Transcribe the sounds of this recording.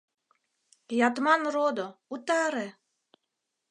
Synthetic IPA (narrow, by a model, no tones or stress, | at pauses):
jɑt̪mɑnrod̪out̪ɑɾe